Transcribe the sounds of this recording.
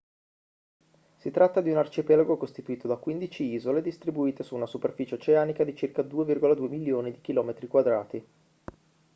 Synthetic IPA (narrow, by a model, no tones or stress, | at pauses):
sit̪ɾʔat̪ːad̪iunart͡ʃipɛlaɡokost̪it̪uiːt̪od̪akwind̪it͡ʃiiːzoled̪ist̪ɾibuiːt̪esuːnasuperfiːt͡ʃeot͡ʃeaːnikad̪it͡ʃirkad̪uːevirɡolad̪uːemiljoːnid̪ik̟ilɔːmet̪ɾikwad̪ɾaːt̪i